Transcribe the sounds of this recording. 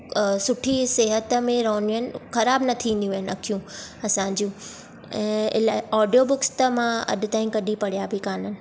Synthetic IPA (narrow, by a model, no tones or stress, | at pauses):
sʊʈʰiseːɦət̪mẽɾɐɦə̃njũɦənɪ̆xɐɾaːbnɐt̪ʰiʋẽːnd̪jũɪnɪɐkʰijũɐsãɲ̆d͡ʑũ | ɛ̃ːɪlaɔːɖijobʊkst̪əmãɐ̰ɗʊ̆t̪aːĩkɐɗipɐɽ̤ijabʱikaːnənɪ̆